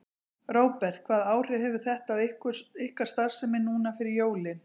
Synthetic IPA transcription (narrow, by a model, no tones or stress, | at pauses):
roːwpɛr̥t̪̚kʰv̥aːðaːwr̥ɪhɛvʏ̥θɛht̪aavɪkʏɪhkaɾ̥st̪aɾ̥sɛmɪnːuːnafɪɾɪɾjoːwlɪn